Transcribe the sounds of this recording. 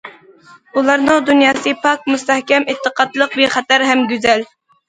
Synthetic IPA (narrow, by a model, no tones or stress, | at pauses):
ulˠɑɾnɨŋd̪unjɑːsɨpʰɑk̚must̪ɛhkʲɛmet̪ʰːəqʰɑt̪lˠəq̚beχɛt̪æɾɦɛmɡʲyzɛl